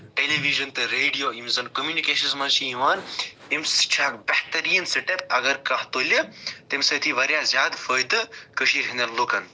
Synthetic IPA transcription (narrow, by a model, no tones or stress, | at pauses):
ʈeːleʋiʒɐnt̪ɨɾeːɖijoːimzɐnkomjuːnikeːʃɐnsmɐt͡ʃʰiiʋaːn | imst͡ʃʰaːkbɐht̪ɐɾijɐnsiʈepɐɡɐɾkɐɦt̪oːlʲɐt̪emsɐt̪ʰiʋɐɾjaːzjaːd̪fəːjd̪ɨkəʃiːɾɦinɐnlukɐn